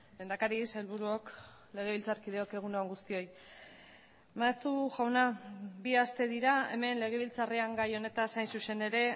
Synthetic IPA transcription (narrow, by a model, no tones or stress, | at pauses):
le̞ːnd̪akaɾise̞lβuɾuo̞k | le̞ɣ̞e̞βilt͡saɾkið̞e̞o̞ke̞ɣ̞unoaŋɡust̪io̞j | maest̪uʝawnabiast̪e̞ðiɾae̞̰me̞nle̞ɣ̞e̞β̞ilt͡sariaŋɡajo̞ne̞t̪asajnsuse̞ne̞ɾe̞